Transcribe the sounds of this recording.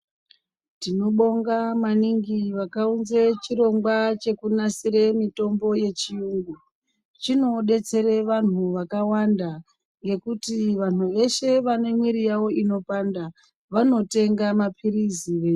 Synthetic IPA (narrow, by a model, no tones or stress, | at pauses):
tino̞ɓo̞ŋɡamaniŋɡiʋakaunzet͡ʃiɾo̞ŋɡwat͡ʃe̞kunasiɾe̞mito̞mbo̞je̞t͡ʃijuːŋɡu | t͡ʃino̞ɗe̞t͡se̞ɾe̞ʋan̤uʋakawanda | ŋɡe̞kutiʋan̤uʋe̞ʃe̞ʋane̞mwiɾijawo̞ino̞panda | ʋano̞te̞ŋɡamapʰiɾiziʋe̞ː